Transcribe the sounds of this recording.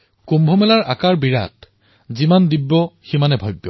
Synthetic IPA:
kumbʱɔmɛlaɹʔakaɹbiɹa̰t | zimandibːɔximanɛbʱɔjbjɔ

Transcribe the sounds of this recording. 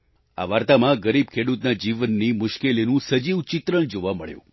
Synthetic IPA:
a̰ʋaɾt̪amãɡəɾib̚kʰeɽut̪nad͡ʒiʋənːimʊʃkelinũsəd͡ʒiʋt͡ʃɪt̪ɾəɳd͡ʒoʋaməɭjṵ̃

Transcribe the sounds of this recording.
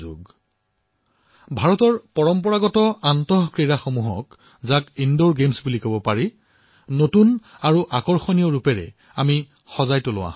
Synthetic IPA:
o̰ɡ | bʱaɹɔtɔɹpɔɹɔmpɔɹaɡɔtɔantɔɦkɹiɹaxomuɦɔ̰k | zakindoɹɡemsbulikobɔpaɹi | notun | aɹuʔakɔɹxɔniɔɹupɛɹɛ̰ | ami | xɔzajtʊlʊ̰wa̰

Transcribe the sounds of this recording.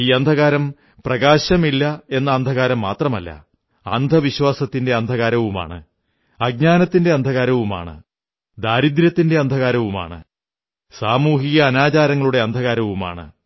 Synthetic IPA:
iːɐnd̪ʱɐɣaːɾɐm | prɐɣaːɕɐmilːɐe̞nːɐːnd̪ʱɐɣaːɾɐmːaːt̪rɐmɐlːɐ̰ | ɐ̰nd̪ʱɐʋiɕwaːsɐt̪ːinde̞ɐnd̪ʱɐɣaːɾɐʋuma̰ːɳɨ̰ | ɐɡ̚ɲaːnɐt̪ːinde̞ɐnd̪ʱɐɣaːɾɐʋuma̰ːɳɨ̰ | d̪aːɾid̪ɾjɐt̪ːinde̞ɐnd̪ʱɐɣaːɾɐʋuma̰ːɳɨ̰ | saːmuːɦiɣɐːnaːt͡ɕaːɾɐŋːɐɭuɽe̞ɐnd̪ʱɐɣaːɾɐʋuma̰ːɳɨ̰

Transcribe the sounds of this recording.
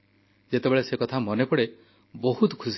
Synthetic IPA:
d͡ʒet̪ebeɭesekɔt̪ʰamɔnepɔɽe | boɦut̪kʰusi

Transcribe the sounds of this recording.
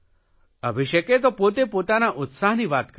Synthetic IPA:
əbʱiʃəket̪opot̪̬epot̪anaʔʊt̪saɦniʋat̪k

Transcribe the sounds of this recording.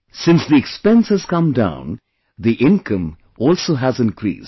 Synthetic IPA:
sɪ̃nsd̪iɛkspɛ̃nshɨz̥kʌ̃mdã̰ʊ̃n | d̪iʔɪ̃nkʰʌ̃m | ɔːlsoːɦæzɪ̃nkɾḭːs

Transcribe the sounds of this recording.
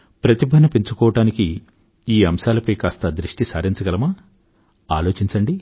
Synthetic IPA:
pɾɐt̪ibʱɐnɐpiɲt͡ʃukɔːʋɐʈaːniki | iːɐmʃaːlɐpɐjkaːst̪ɐd̪ɾiʂʈisaːɾiɲt͡ʃɐɡɐlɐmɐ | aːloːt͡ʃiɲt͡ʃɐɳɖi

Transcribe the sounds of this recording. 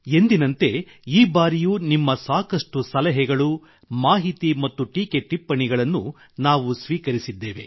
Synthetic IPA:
e̞nd̪inɐnt̪e̞ | iːbaːɾijuːnimːɐsaːkɐʂʈusɐlɛɦɛɡɐɭu | maːɦit̪imɐt̪ːuʈiːke̞ʈːipːɐɳiɡɐɭɐnːu | naːʋusʋiːkɐɾisid̪ːeːʋe̞̰

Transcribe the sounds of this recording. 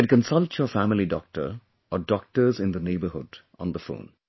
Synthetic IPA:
ɖ̚kə̃nsʌlʈsjɔːfæmɪliɖɔ̰k̚ʈə̰ɾ | ɔɖɔk̚ʈəzɪ̃nd̪əneːbəɦʊɖʔɔ̰̃nd̪əfõ̰ːn

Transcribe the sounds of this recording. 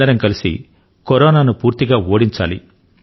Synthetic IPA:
ɐɾɐŋkɐlisḭ | koɾɔːnaːnupuːɾt̪iɡaːoːɽiɲt͡ʃa̰ːlḭ

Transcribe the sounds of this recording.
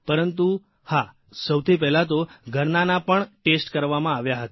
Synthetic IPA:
pəɾənt̪u | ha | səwt̪ʰip̬ɛɦlat̪oɡʱəɾnanapəɳʈesʈkəɾʋamãaʋjaɦət̪a

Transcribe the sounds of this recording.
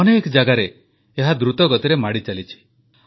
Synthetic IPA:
ɔnekd͡ʒaɡaɾe | eɦad̪ɾut̪ɔɡɔt̪iɾemaɽit͡ʃalit͡ʃʰi̥

